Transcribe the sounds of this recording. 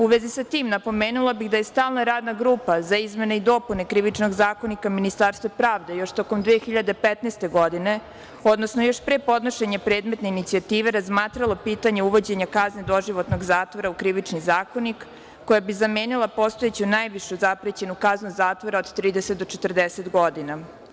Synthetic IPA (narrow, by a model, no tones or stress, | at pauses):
uʋezisat̪iːmnapo̞meːnulˠabiɣd̪aje̞st̪aːlˠnaɾaːd̪naɡɾuːpazaizme̞neid̪o̞pune̞kɾiʋit͡ʃno̞ɡzaːkonikaminist̪aɾst̪ʋapɾaːʋd̪e̞jo̞ʃt̪o̞ko̞md̪ʋeexiʎad̪e̞pet̪nest̪e̞ɡo̞d̪ine̞ | o̞d̪nosnojo̞ʃpɾepo̞d̪no̞ʃe̞ɲapɾeːd̪met̪neinit̪sijat̪iːʋe̞ɾazmaːt̪ɾalo̞piːt̪aɲe̞uʋo̞d͡ʑe̞ɲakazned̪o̞ʒiʋo̞t̪no̞ɡzaːt̪ʋo̞ɾaukɾiʋit͡ʃnizaːko̞nikː | ojabizameːnilˠapo̞st̪oet͡ɕunajʋiʃuzapɾet͡ɕe̞nukaznuzaːt̪ʋo̞ɾaod̪t̪ɾiːd̪eset̪̚d̪ot͡ʃet̪rd̪eset̪ɡo̞d̪ina